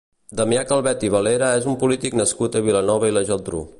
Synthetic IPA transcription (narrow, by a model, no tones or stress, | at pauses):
d̪əmiakəlˠβɛt̪iβəleɾəezumpulit̪iknəskut̪əβilənɔβəiləʒɔd̪ɾṵ